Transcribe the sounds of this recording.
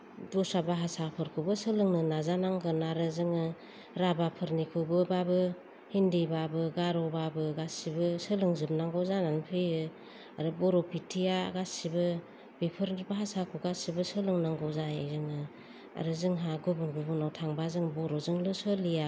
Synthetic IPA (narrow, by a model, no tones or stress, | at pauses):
dusabaɦasapʰɯɾkʰubɯsɯlɯŋnɯnazanaŋɡɯnaɾɯzɯŋɯ | ɾabapʰɯɾnikʰubɯbabɯ | hindibabɯɡaɾɔbabɯɡasibɯsɯlɯŋzɯmnaŋɡɔzananpʰɯjɯ | aɾɯbɔɾɔpʰitʰijaɡasibɯ | bipʰɯɾnbaɦasakʰuɡasibɯsɯlɯŋnaŋɡɔzajajzɯŋɯ | a̰ɾɯzɯŋɦaɡubunɡubunawtʰaŋbazɯŋbɔɾɔzɯŋlɯsɯlija